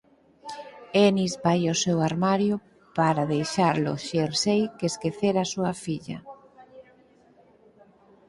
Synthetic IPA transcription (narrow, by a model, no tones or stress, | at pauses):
enizbajasewaɾmaɾjʊ | paɾaðejʃaɾlʊ̰ʃeɾsejkeskeθeɾasuɐfiʎɐ̰